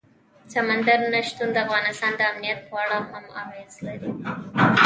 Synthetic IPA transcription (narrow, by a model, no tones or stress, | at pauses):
samand̪aɾnaʃt̪und̪əafɣɑnɪst̪ɑnd̪əamnijat̪̚pwaɽahamɑ̰ɣezlaɾi